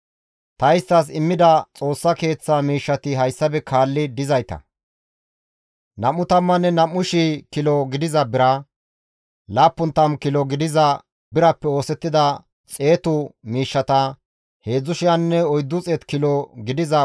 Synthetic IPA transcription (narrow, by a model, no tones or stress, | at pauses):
t̪ɐjɪst̪ːɐs̬ɪmːɪd̪ɐt͡sʼo̞ːsːɐke̞ːt͡sːɐmiːʃːɐt̪ɪɦɐjsːɐbɛkʰaːlːɪd̪ɪzɐjt̪ɐ̰ | nɐmːʊt̪ɐmːɐnːɛnɐmːʊʃikɪlɔɡɪd̪ɪzɐbɪɾɐ | laːpːʊnt̪ːɐmkɪlɔɡɪd̪ɪzɐ | bɪɾɐpːɛo̞ːsɛt̪ːɪd̪ɐ | t͡sʼe̞ːt̪ʊmiːʃːɐt̪ɐ | he̞ːd͡zːʊʃɪjɐnːɛɔjd̪ːʊt͡sʼɛt̪kɪlɔɡɪd̪ɪzɐ